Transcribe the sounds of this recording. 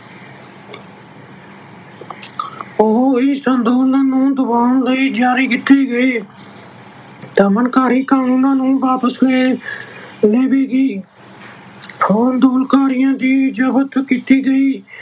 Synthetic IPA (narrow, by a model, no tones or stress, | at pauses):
oɦɪsənd̪uːnãːnũːd̪ʊbaːləiːd͡ʒaːɾiːkɪt̪ːeːɡəeː | t̪amənkaːɾiːkaːnũːnãːnũːʋaːpəsleː | leːʋeːɡiː | oːnd̪uːlkaːɾɪjãːd̪iːd͡ʒəbət̪kiːt̪iːɡəiː